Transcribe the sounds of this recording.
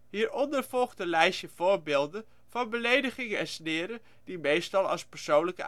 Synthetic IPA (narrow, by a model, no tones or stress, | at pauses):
ɦiːɹɔndəɹv̥ɔlˠχdəlɛjʃəv̥ʊːɹbeːlˠdən | vɑnbəlejdəχɪŋəɛnsnɪːɾə | d̥imejstɑlˠɑ̰lˠspəɹsownləkə